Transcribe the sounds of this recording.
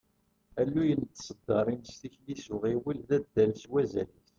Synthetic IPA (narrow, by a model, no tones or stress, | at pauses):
ælːujənt̪ːsˤəd̪ːɑɾˤinst̪içlisuʁiwilðæd̪ːælswæzæliθ